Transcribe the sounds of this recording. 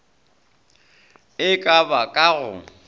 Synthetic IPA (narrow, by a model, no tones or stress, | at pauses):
ɪkʼabakʼaɣʊ̰